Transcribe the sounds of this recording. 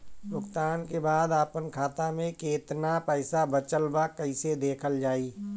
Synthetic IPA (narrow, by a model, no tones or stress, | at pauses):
bʊkt̪aːnkebaːd̪aːpənkʰaːt̪amẽkeːt̪napɛɪsabət͡ʃəlbakɐɪsed̪eːkʰəld͡ʒaːiː